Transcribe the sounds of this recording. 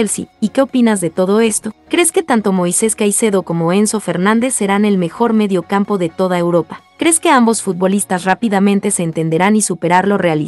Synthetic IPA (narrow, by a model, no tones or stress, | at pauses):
elsḭike̞o̞pinazðe̞t̪o̞ð̞o̞e̞st̪o̞kɾe̞ske̞t̪ant̪o̞mo̞jse̞skajse̞ðo̞ko̞mo̞e̞nso̞fe̞ɾnãnd̪e̞sːe̞ɾane̞lme̞xo̞ɾme̞ðjo̞kampo̞ðe̞t̪o̞ð̞aewɾo̞pḁkɾe̞ske̞ambo̞sfut̪̚βo̞list̪asrapiðamẽnt̪e̞se̞ːnt̪e̞nd̪e̞ɾanisupe̞ɾaɾlo̞reali